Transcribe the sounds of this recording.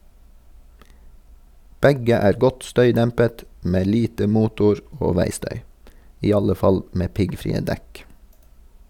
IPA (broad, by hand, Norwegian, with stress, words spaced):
ˈbɛɡə ˈæːɾ ˈɡɔt ˈstœʏˌdɛmpət ˈmeː ˈliːtə ˈmuːtʊɹ ˈoː ˈʋæɪˌstœʏ ˈiː ˈɑlə ˈfɑl ˈmeː ˈpɪɡfɾiːə ˈdɛk